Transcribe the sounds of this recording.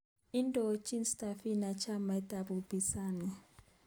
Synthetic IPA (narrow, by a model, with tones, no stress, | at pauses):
i˦ndɔ˨˦t͡ʃʼi˦nsta˨fi˦na˨t͡ʃʰa˦ma˨i˦tʼa˨bu˨bi˨sa˦˨ni˨